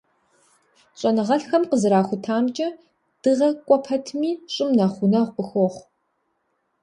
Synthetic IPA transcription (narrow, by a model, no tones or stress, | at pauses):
ɕʼɐnɨʁɐɬxɐmqəzɨɾaːxʷʊtʰaːmt͡ʃʼɐ | d̥ɨʁɐkʷʼɔpʰɐtʰmiːɕʼɪmnaχʷʊnɐʁʷqəxʷoχʷ